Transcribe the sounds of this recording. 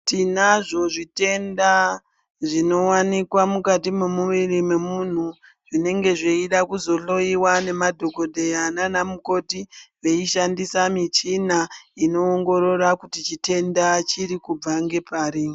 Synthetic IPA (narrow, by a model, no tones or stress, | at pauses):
tinaʐo̞ʐite̞nda | ʐino̞wanikwamukatimemuʋirime̞mun̤u | ʐine̞ŋɡe̞ʐe̞iɗakuzo̞ɬo̞iwane̞madʱo̞ko̞dʱejananamuko̞tiʋe̞iʃandisamit͡ʃinaino̞ːŋɡo̞ɾo̞ɾakutit͡ʃite̞ndat͡ʃiɾikub͡vaŋɡe̞paːɾi